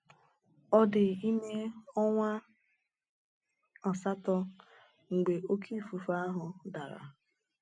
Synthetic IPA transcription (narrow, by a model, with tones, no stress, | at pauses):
ɔ˦dɪ˨i˦me˦ɔ˦ŋʷa˦ | ɔ˨sa˦tɔ˦ | ŋ̩˨ɡ͡be˨ʔo˦kʰi˦˨fu˨fa˦ɦʊ˨da˨ɾa̰˨